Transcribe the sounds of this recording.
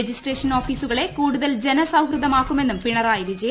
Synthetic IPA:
d͡ʑisʈreːʂɐno̞ːfiːsuɣɐɭe̞kuːɽuðɐld͡ʑe̞nɐsɐwkrɨðɐmaːkːume̞nːumpiɳɐraːjiɾid͡ʑe

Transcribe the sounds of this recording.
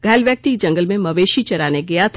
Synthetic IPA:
ɡʱɛːlʋjək̚t̪ikd͡ʒɐ̃ŋɡəlmẽmɐʋeːʃit͡ʃɐɾaːneɡɐjat̪ʰ

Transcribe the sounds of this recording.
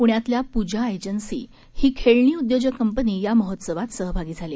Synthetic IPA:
puɽ̃jat̪ljapud͡ʑʱaed͡ʑənsḭː | hiːkʰeɭɳiːud̪jod͡ʑəkəmpəniːjaməɦot̪səʋat̪səɦbʱaɡiːd͡zʱale

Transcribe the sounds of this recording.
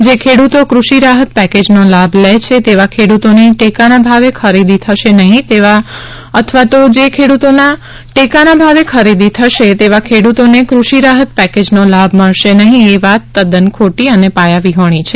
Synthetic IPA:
d͡ʒekʰeɽut̪okɾuʃiɾaɦət̪̚pɛked͡ʒnolablet͡ʃʰet̪eʋakʰeɽut̪oniʈekanabʱaʋekʰəɾid̪it̪ʰəʃenəɦĩt̪eʋa | ət̪ʰʋat̪od͡ʒekʰeɽut̪ona | ʈekanabʱaʋekʰəɾid̪it̪ʰəʃet̪eʋakʰeɽut̪onekɾuʃiɾaɦət̪̚pɛked͡ʒnolabʱməɭʃenəɦĩeʋat̪ːəd̪ənkʰoʈiənepajaʋiɦoɽ̃it͡ʃʰe

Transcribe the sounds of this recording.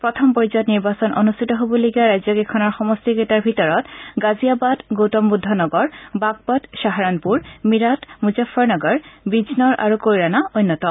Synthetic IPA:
pɹɔtʰɔmpɔɹizɔtniɹbasɔnʔo̰nustʰitɔɦobɔloɡijaɹajzɔɡekʰɔnɔɹxɔmɔstiɡetaɹbʱitɔɹɔtɡaziabadɡowtɔmbudʱːɔnɔɡɔɹbaɡ̚pɔdʃaɦaɹanpuɹmiɹatmuzafʰɔɹnɔɡɔɹbid͡ʑnɔɹʔa̰ɹukojɹanaojnːɔtɔ

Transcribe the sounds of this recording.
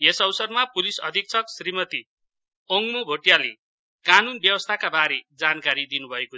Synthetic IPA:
esʌwsʌrmapulisʌ̰d̪ʱik̚t͡sʰʌksrimʌt̪i | ʌŋmobʱoʈijale | kanunbjʌwʌst̪ʰakabaɾed͡zankaɾid̪inubʱʌeko

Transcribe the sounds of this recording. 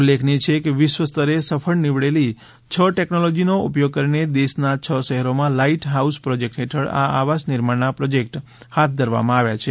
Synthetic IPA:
ulːekʰnit͡ʃʰekeʋɪʃʋəst̪əɾesəfʰəɭniʋɭeli | t͡ʃʰəʈeknolod͡ʒinoupjoɡ̚kəɾined̪eʃnat͡ʃʰəʃəɦɛɾomãlaiʈɦauspɾod͡ʒek̚ʈɦeʈʰəɭa̰aʋasniɾmaɳnapɾod͡ʒek̚ʈ | hat̪̚ʰd̪ʱəɾʋa̰mãaʋjat͡ʃʰe

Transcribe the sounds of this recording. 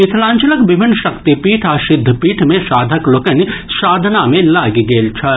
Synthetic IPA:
ɪt̪ʰlãːnt͡ʃələkʋɪbʱɪnːʃɐkt̪ipiːʈʰaːʃɪd̪ʱːəpiːʈʰmẽʃaːd̪ʱəklokənʃaːd̪ʱnamẽlaːɡiɡeːlt͡ʃʰɐ

